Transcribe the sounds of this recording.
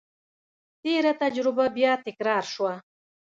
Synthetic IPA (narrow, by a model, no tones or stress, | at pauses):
t̪eɾat̪ad͡ʒɾɪbabjɑt̪ɪkɾɑɾʃwa